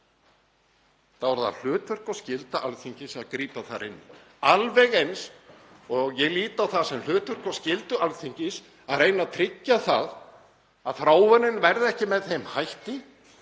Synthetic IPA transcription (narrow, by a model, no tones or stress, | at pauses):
θavaɾða̰l̥ʏːt̪vʏr̥kɔscɪlt̪aʔa̰lθiɲcɪsaðkɾiːpaθaɾɪnːɪ | alvɛɣejns | ɔɣjɛɣliːt̪awθaðsɛml̥ʏːt̪vʏr̥kɔscɪlt̪ʏʔalθiɲcɪs | aðrejnat̪ʰɾɪcːaθa̰ð | aðfɾaːwvɛnɪnvɛɾðɛhcɪmɛðθejmhajht̪ɪ